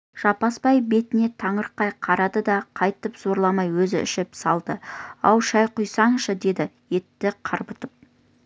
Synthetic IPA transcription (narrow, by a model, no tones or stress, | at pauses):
ʒ̥ɑpɑspɑjbe̞t̪ɪne̞t̪ʰɑɴəɾqːɑjqʰɑɾɑd̪əd̪ɑqʰɑjt̪əpz̥o̞ɾlˠɑmɑjwɵzɪɪ̰ʃɪpsɑlˠd̪əɑ̰wʃɑjqʊjsɑɴʃəd̪e̞d̪ɪje̞t̪ːɪqʰɑɾbət̪əp̚